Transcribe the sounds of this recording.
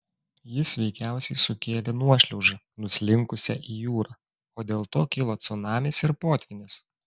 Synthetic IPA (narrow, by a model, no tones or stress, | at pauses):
jɪsʋʲɛɪkʲæˑʊsʲɛɪsʊkʲeːlʲenuɔʃʲlʲɛʊʒɐ | nʊsʲlʲɪŋkʊsʲɛʔiːjuːɾɑː | oːd̪ʲeːlˠt̪oːkʲɪlˠoːt̪sʊnɑːmʲeːsɪɾpoːt̪ʲʋʲɪnʲes